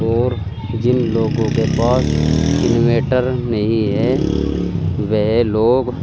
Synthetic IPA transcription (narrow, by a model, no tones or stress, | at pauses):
ɔːɾ | d͡ʒɪnloːɡõkepaːsɪnoʋeːʈəɾnɐɦĩɦɛ | ʋɛɦloːɡ